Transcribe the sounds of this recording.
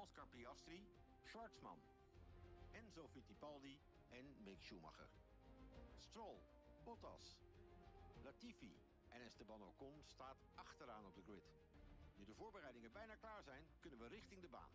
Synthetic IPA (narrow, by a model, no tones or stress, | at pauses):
ɑlskaɹpiɑstri | ʃɑɹtsmɑ̰n | ɛnzofitipɑlˠdi | ɛnmɪkʃumɑ̰χə̰r | strolˠ | bɔtɑ̰s | latifḭ | ʔɛnɛstəbɑnokɔnstaːt | ɑχtəɾaːnɔb̚dəɡrwɪt | nydəvʊːɹbərɛjdɪŋənbɛjnaːklaːɹzɛjnkɵnənʋərɪχtɪŋdəba̰ːn